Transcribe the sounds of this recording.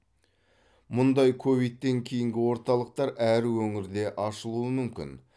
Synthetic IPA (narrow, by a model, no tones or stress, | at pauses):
mʊnd̪ɑjkʰovijt̪ːe̞ŋkʲʰe̞jɪŋɡʲɪwo̞ɾt̪ɑlˠəq̚t̪ɑɾæɾwɵŋɪɾd̪e̞ʔɑʃəlˠuəmʏmkʲɪ̰n